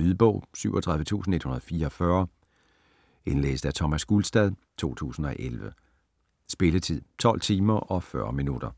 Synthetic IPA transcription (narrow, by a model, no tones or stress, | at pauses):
yðˠb̥ɔ̰ʊ̰syʊ̰ɒt͡sʰʁɑ̈ðˠʋə̥t͡sʰṵːsn̩e̝d̥hunɐð̞ˠɒfiːɐɒfɶɐ | e̝nlḛːsd̥æt͡sʰɒmæsɡ̥ulsd̥ɛð̞ˠt͡sʰo̝̰ːt͡sʰṵːsn̩ɒ̽ʔelʋə | sb̥e̝lət͡sʰið̰ˠt͡sʰɒ̽l̰t͡sʰiːmɐʔɒ̽fɶɐminud̥ɐ